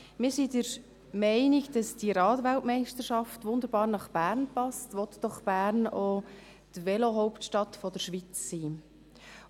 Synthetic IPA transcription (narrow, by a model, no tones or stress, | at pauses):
mɪːɾsidəɾ | mɛɪnɪɡd̥ɑsd̥iɾɑːtʋæltmɛɪʃtəɾʃɑftʋʊnd̪əɾb̥ɑːɾnɑχb̥æːɾnpɑstʋɔt̪d̥ɔχb̥æːɾno | tʋɛloɦɔʊptʃtɑt̪fɔdəɾʃʋit͡sːiː